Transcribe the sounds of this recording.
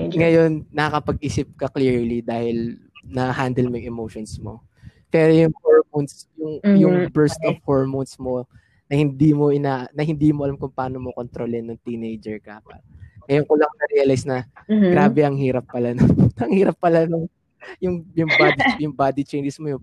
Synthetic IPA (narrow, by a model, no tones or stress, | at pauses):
ŋɐjo̞nːɐɐkɐpɐɡ̚ʔiːsɪp̚kɐkliːɹlid̪aːhɪl | nɐhand̪ɛlmɐjŋʔɛmowʃonsmo̰ | pɛːɾojʊŋhoɹmonsjʊŋjʊŋbɛɹst̪ov̥hoɹmonsmo̞ | nɐhɪnd̪iːmo̞ʔɪnaːʔnɐhɪnd̪iːmoʔɐlamkʊŋpaːnomokont̪ɾoːlɪnːoŋt̪inejd͡ʒɛɹkaːpɐ̰t̪̚ŋɐjonkolɐŋnɐɾɛjɐlajsnɐɡɾaːbɛʔɐŋhiːɾɐpːɐlanoɐŋhiːɾɐpːɐlanoŋ | jʊŋjʊŋbaːd̪isjʊŋbaːd̪it͡ʃejnd͡ʒɛsmojʊ